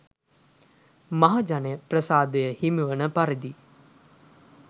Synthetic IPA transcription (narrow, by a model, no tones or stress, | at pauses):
maɦad͡ʒanejəprəsaːd̪əjəhimiʋənəpaɾid̪i